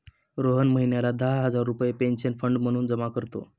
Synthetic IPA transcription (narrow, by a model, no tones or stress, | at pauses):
ɾoɦənməɦinjalad̪aɦɦəd͡zaɾːupjepenɕənfəɳɖm̤əɽ̃uːnd͡zəmakəɾt̪o̰